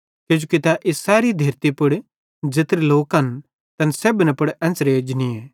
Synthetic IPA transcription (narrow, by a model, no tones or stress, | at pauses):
kɪd͡ʒokit̪aʔɪsaːɾid̪ʱeːɾt̪ipʊɽ | d͡ʒɪt̪ɾeloːkɐn | t̪ɐnseːbnɛpʊɽɛ̃ːnsɾeːd͡ʒnie